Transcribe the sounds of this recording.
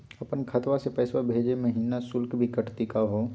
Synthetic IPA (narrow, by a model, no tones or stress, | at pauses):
ɐpənkʰət̪wasepɛːswabʱeːd͡ʒemɐɦiːnasʊlkbʱikɐʈt̪ikaɦoː